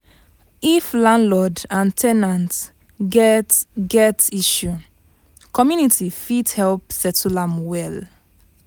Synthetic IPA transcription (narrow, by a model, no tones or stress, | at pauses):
iflãnlɔdãntʰɛnãnt | ɡɛtɡɛtiʃu | kʰɔmjunitifidhɛlpsɛtulãmwɛl